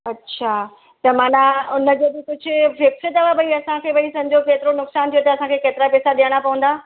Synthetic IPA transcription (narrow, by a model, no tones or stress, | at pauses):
ɐtːɕʰaː | t̪ɐmaːnaʊnə̆d͡ʑebit̪ʊd͡ʑʱɪʋɪksəd̪ɐʋabɐiɐsãkʰeːʋɐɽisɐ̃ɲd͡ʑoːkeːt̪ɪɾonʊksaːnt̪ʰijot̪ɐɐsãkʰekeːt̪ɪɾapɛːsaɗijəɽ̃apɐʋə̃n̆d̪aː